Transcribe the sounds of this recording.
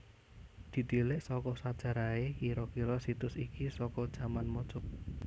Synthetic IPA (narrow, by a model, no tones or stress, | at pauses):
d̪̥i̤t̪ilɪʔsɔkɔsad̥ʒ̥ä̤ɾaekiɾɔkiɾɔsit̪ʊsikisɔkɔd̥ʒ̥a̤manmɔt͡ʃɔ